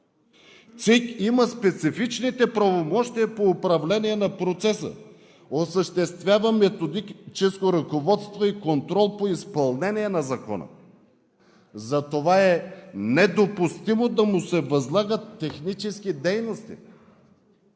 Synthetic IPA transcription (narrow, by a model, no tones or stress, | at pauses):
t̪sikiməspɛt̪sifit͡ʃnit̪ɛpɾɐvomɔʃt̪ijɐpoːpɾɐvlɛniɛnɐpɾot̪sɛsə̰ | osəʃt̪ɛst̪vʲjavəmɛt̪od̪it͡ʃɛskoɾɐkovɔt̪st̪voikont̪ɾɔlˠpoispɐlˠnɛniɛnɐzɐkɔ̰nə̰ | zɐt̪ovaɛnɛd̪opust̪imod̪ɐmʊsɛvɐzlˠaɡət̪ːɛxnit͡ʃɛskid̪ɛjnost̪ḭ